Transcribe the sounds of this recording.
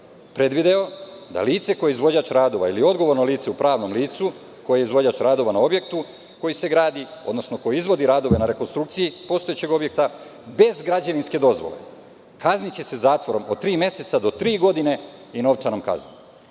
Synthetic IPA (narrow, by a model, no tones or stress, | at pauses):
pɾe̞d̪ʋid̪eo | d̪a̰liːt̪se̞ko̞jeizʋo̞d͡ʑaːt͡ʃɾaːd̪o̞ʋailiod̪ɡo̞ʋo̞ɾno̞liːt̪se̞upɾaːʋno̞mliːt̪su | ko̞jeeizʋo̞d͡ʑaːt͡ʃɾaːd̪o̞ʋanao̞bje̞k̚t̪u | ko̞jise̞ɡɾaːd̪io̞d̪no̞snoko̞jizʋo̞d̪iɾaːd̪o̞ʋe̞naɾe̞ko̞nst̪ɾuk̚t̪sijipo̞ːst̪oet͡ɕe̞ɡo̞bjek̚t̪a | be̞zɡɾad͡ʑeʋinske̞d̪o̞zʋo̰le̞̰ | kaznit͡ɕe̞se̞zaːt̪ʋo̞ɾo̞mot̪ɾiːmje̞se̞t̪sad̪o̞t̪ɾiːɡo̞d̪ine̞ino̞ʋt͡ʃanomka̰zni